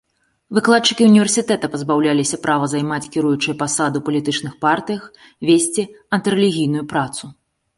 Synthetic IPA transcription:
vɨklˠat̪̚t͡ʂɨkʲiunʲivʲɛrsʲit̪ɛt̪ɐpɐzbawlʲalʲisʲɐpɾavɐzajmat͡sʲkʲiɾujut͡ʂɨjɐpasad̪ɨwpɐlʲit̪ɨt͡ʂnɨxpart̪ɨjɐx | vʲesʲt͡sʲiɐnt̪ɨɾɛlʲiɣʲijnujupɾat̪su

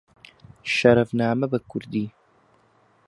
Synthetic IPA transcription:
ʃɐɾɐvnaːmɐbɐkʰʊɾd̪iː

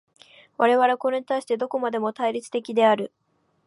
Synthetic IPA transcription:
βaɾe̞βaɾe̞ko̞ɾe̞ɲ̟it̪aiɕi̥t̪e̞d̪o̞ko̞mad̪e̞mo̞t̪aiɾʲit͡sɨ̥t̪e̞kʲid̪e̞aɾɯ̟

